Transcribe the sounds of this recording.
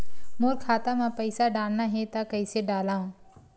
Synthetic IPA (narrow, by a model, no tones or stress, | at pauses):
moːɾkʰaːt̪aːmãːpəisaːɗaːnnaːɦeːt̪aːkəiːseːɖaːlãː